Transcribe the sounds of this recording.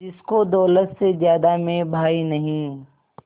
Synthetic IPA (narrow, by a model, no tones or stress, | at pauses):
d͡ʒɪskod̪ɔːlət̪sezjaːd̪amẽbʱaːinɐɦĩ